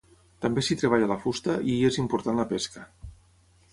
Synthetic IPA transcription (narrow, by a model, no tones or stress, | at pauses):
t̪ambesit̪ɾeβ̞aʎalafust̪aʔiezimpuɾt̪anlapeskə